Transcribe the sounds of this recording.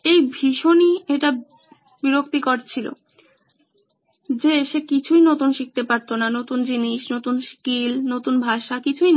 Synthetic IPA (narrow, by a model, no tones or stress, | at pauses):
ejbʱiʃonieʈa | biɾokt̪ikoɾt͡ɕʰilo̰ | d͡ʑeʃekit͡ɕʰujnot̪unʃik̚t̪epaɾt̪onanot̪und͡ʑiniʃnot̪unʃkilnot̪unbʱaʃakit͡ɕʰuj